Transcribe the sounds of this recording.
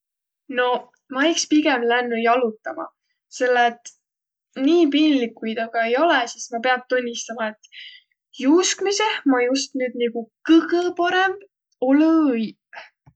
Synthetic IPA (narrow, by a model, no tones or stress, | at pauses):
no̞ | mɑijkspiɡ̥ɛmlænːujɑlut̪ːˑɑmɑ̰ | se̞lːet̪ːˑ | niːpinʲlikːujd̪ɑɡ̥ɑe̞jo̞lɛsismɑpe̞ɑn̚t̪unʲːist̪ɑmɑe̞t̪ː | juskmise̞hmɑjust̪nyːd̪̚niɡ̥ukɯɡəpɑɾemb̥ | oləj